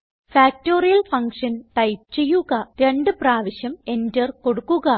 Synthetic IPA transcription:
faːk̚to̞ːrijɐlfɐŋkʂɐntɐjp̚t͡ɕe̞jːuɣɐɾe̞ɳɖɨpraːʋɐɕjɐme̞ndɐrko̞ɽukːuɣɐ

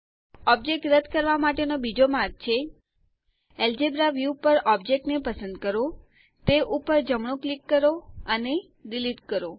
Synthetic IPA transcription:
ɔp̚d͡ʒek̚ʈɾəd̪kəɾʋamaʈenobid͡ʒomaɾɡ̚t͡ʃʰe | eld͡ʒebɾaʋjupəɾɔb̚d͡ʒek̚ʈnepəsə̃nd̪kəɾo | t̪eʔupəɾd͡ʒəmɳ̃õklikːəɾoəne | ɖiliʈkəɾo

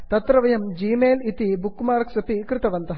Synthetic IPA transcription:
t̪ɐt̪ɾɐʋɐjɐmd͡ʒiːmeːlit̪ibukːmaːɾɐksɐpikɾɪt̪ɐʋɐnt̪ɐɦɐ

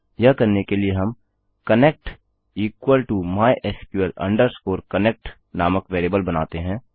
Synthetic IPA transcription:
jɐkɐɾnekelieɦɐm | kɐneːk̚ʈ | iːkwəlʈumaːjʔɛːskjuəlɐ̰̃ɳɖəɾskoːɾkəneːk̚ʈ | naːməkʋeːɾeːbəlbɐnaːt̪eɦɛ̃ː

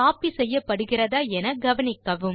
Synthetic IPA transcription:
aːpisɛjːɐpːɐɽɯɣɪrɐðaːɛnɐɡɐʋɐnɪkːɐʋɯm

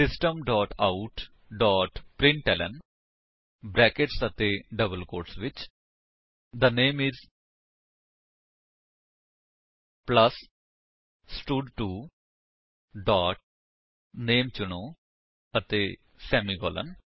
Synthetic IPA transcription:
sɪsʈəmɖɔːʈaʊʈ | ɖɔːʈpɾɪ̃ɳʈɛlə̰n | bɾɛːkeʈsət̪eɖəbəlkoːʈsʋɪt͡ʃ | d̪əneːmɪz | pləs | sʈuɖʈuː | ɖɔːʈ̚ | neːmt͡ʃʊñoː | ət̪e | sɛːmiɡɔ̰ːlə̰̃n

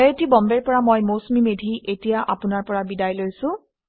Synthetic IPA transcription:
ɛetibɔmbɛɹpɔɹamojmosmimedʱiʔetijaʔapʊnaɹpɔɹabidajlojsʊ̃

